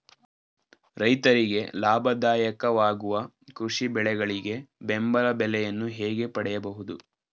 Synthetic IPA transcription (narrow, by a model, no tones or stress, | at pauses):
ɾɐjt̪ɐɾiɡe̞laːbʱɐd̪aːjɐkɐʋaːɡuʋɐ | kɾuʂibɛɭɛɡɐɭiɡe̞bembɐlɐbɛlɛjɐnːuɦeːɡe̞pɐɽɛjɐbɐɦud̪u